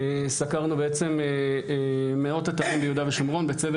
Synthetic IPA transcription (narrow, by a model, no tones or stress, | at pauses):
esakaʁnubeet͡se̞me | meo̞tataʁimbejud̪aveʃamʁo̞nbe̞t͡seve